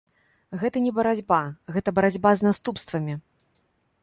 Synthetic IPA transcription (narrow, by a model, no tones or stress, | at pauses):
ɣɛt̪ɐnʲɛbɐɾad͡zʲbaɣɛt̪ɐbɐɾad͡zʲbaznast̪upst̪vɐmʲi